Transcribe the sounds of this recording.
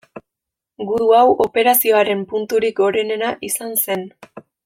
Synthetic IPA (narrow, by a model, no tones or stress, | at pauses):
ɡuðuawʔo̞pe̞ɾasio̞aɾe̞mpunt̪uɾiko̞ɾe̞ne̞naʔisanse̞n